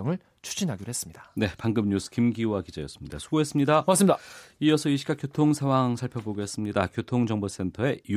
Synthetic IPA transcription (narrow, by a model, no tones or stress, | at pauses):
ŋɯɭ | t͡ɕʰu̥d͡ʑinɦaɡiɾoɦes͈ɯmɲid̥ḁne̞paŋɡɯmɲusʰɯ̥kimɡiwakid͡ʑajʌ̰s͈ɯ̥mɲid̥a̰sʰuɡoɦes͈ɯmɲidaas͈ɯmɲidaiʌsʰʌiɕʰiɡakjotʰoŋsʰawaŋsʰaɭpʰjʌboɡeɦes͈ɯmɲidakjotʰoŋd͡ʑʌŋbos͈ʰe̞ntʰʌe̞i